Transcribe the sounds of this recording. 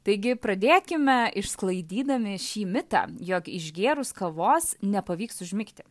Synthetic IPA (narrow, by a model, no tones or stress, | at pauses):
t̪ɐɪɡʲɪpɾɐd̪ʲeːkʲɪmʲɛʔɪʃsklˠɐɪd̪ʲiːd̪ɐmʲɪʃʲiːmʲɪt̪ɑ̰ːjoːkɪʒɡʲeːɾʊskɐʋoːsnʲɛpɐʋʲiːksʊʒʲmʲɪkt̪ʲɪ̥